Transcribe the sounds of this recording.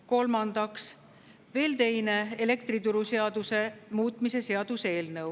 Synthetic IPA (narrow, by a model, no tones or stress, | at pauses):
ko̞lmɑnd̪ɑks | ve̞ːlt̪e̞jne̞ele̞kt̪ɾit̪uɾuseɑd̪use̞muːt̪ˑmise̞se̞ɑd̪̥use̞ːlnɤw